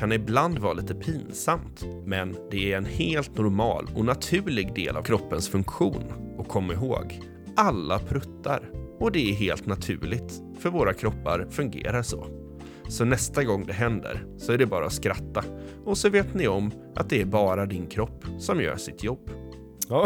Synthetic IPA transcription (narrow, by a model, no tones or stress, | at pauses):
kʰanɪbland̪vɑːliːt̪əpʰinsamt̪mɛnd̪ɛæɾɛnheːlt̪nʊɾmɑ̰ːlɔnat̪ʰʉ̟ːɭɪɡd̪ḛːla̰vkʰɾɔpːənsfɵŋkɧuːnɔkʰːɔmːaɪɦoːɡ | ʔalːapʰɾɵt̪ʰːa̰ɾɔd̪ɛæɾɦeːlt̪nat̪ʰʉ̟̰ːɭɪt̪ | fœɾvoːɾakʰɾɔpːa̰ɾfɵŋɡḛːɾaʂɔ̰ | sɔnɛst̪aɡɔŋːd̪ɛɦɛnd̪ə̰ɾsɔæɖɛbɑːɾaɔskɾat̪ːaɔsɔveːt̪nɪɔm | ʔa̰t̪̚d̪ɛæɾbɑːɾad̪ɪnkʰɾɔpːsɔmjœ̰ːʂɪt̪ʰjɔb̥ː